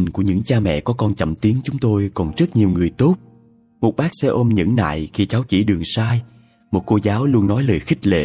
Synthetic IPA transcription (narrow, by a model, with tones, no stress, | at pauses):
ŋku˧˩əɲɨ̰˧˥ŋt͡ɕaː˧mɛ̰˧˨kɔ˨˦kɔ˧nt͡ɕə̰˧˨mt̪i˨˦ənt͡ɕʊ˨˦ŋ͡mt̪o˧jkɔ˨˩nzə˦˥t̚ɲi˨˩əwŋɨ˨˩əjt̪o˦˥p̚ | mo˨˩t̚ɓaː˦˥k̚sɛ̰˧ʔo˧mɲɨ̰˧˥ŋna̰ː˧˨jxi˧t͡ɕaː˨˦wt͡ɕḭ˧˩ɗɨ˨˩əŋsaː˧j | mo˨˩ko˧zaː˨˦wlu˧ənːɔ˨˦jləː˨˩jxi˦˥k̟̚lḛ˧˨